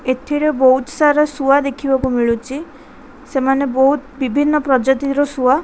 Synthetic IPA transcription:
et̪ʰiɾebɔɦut̪saɾɔsuad̪ekʰibakumiɭut͡ʃʰi | semanebɔɦut̪bibʱinːɔpɾɔd͡ʒat̪iɾɔsua

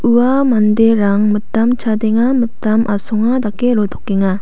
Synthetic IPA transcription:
ɯamand̪eɾaŋmɯtːamt͡ɕʰad̪eŋamɯtːamʔasɔŋad̪akːeɾot̪ʰɔkːeŋa

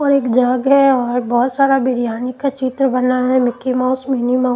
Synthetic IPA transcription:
ɔːɾeːkd͡ʒaːɡɦɛɔːɾbɔːʊt̪saːɾabɪɾjaːnikat͡ʃɪt̪ɾəbɐnaɦɛmɪkimãʊsmenima

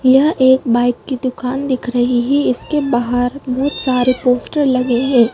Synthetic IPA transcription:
jɐɦʔeːk̚baːɪkːid̪ʊkaːnd̪ɪkʰɾɐɦiɦɛɪskebaːɦəɾbɔɦt̪saːɾepoːsʈəɾlɐɡeɦɛ̃ː

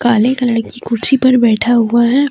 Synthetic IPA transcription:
kaːlekɐləɽkikʊɾt͡ʃipɐɾbɛːʈʰaɦʊaɦɛː

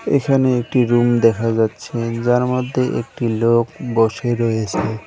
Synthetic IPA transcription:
ḛkʰaneek̚ʈiɾumd̪ɛkʰad͡ʑatːɕʰed͡ʑaɾmod̪ʱːeʔḛk̚ʈilok̚boʃeɾojet͡ɕʰe

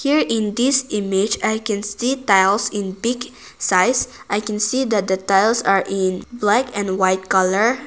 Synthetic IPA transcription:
hiɹɪ̃nd̪isimɪd͡ʒajkɛ̃nsit̪ajlsɪ̃nbiɡ | sajsʔajkɛ̃nsid̪ɛt̪̚d̪ət̪ajlsaɹʔɪ̃nblakɛ̃nwajt̪̚kaləɹ

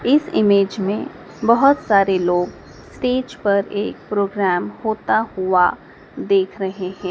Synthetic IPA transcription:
ɪsɪ̰meːd͡ʒmẽ | bɐɦʊt̪saːɾeloːɡ | sʈeːd͡ʒpɐɾeːk̚pɾoːɡɾæːmhoːt̪ahʊa | d̪eːkʰɾɐɦeɦɛ̃ː

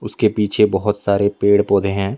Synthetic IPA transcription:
ʊskepiːt͡ʃʰebɔɦʊt̪saːɾepeːɽpɔːd̪ʱeɦɛ̃ː

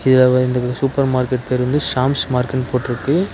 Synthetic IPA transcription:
ɪðɐlɐɪnd̪ɐsuːpɐɾmaːɾkɛʈ̚peːɾʋɐnd̪ɯʃaːmsmaːɾkɛʈpoːʈːɪɾɯkːɯ

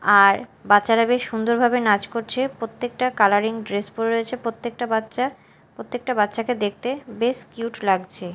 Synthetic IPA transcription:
aɾbatːɕaɾabeʃund̪oɾbʱabenad͡ʑkoɾt͡ɕʰepɾot̪ːek̚ʈakalaɾiŋɖɾespoɾeɾojet͡ɕʰepot̪ːek̚ʈaaa | pɾot̪ːek̚ʈabat̪ːʃaked̪ek̚ʰt̪ebeskjuʈlaɡt͡ɕʰe

